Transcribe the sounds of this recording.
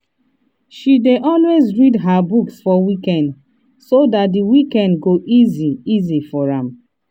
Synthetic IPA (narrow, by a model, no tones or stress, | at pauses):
ʃideʔɔlwezɹidɦabuksfɔwikɛ̃nd | sodat̚diwikɛ̃ndɡoʔiziizifɔɹãm